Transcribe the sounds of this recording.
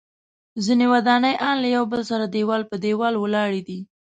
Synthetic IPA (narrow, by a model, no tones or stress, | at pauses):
zinewad̪ɑnəjʔɑnlajawbəlsaɾad̪ewɑlpəd̪ewɑlwəlɑɽid̪i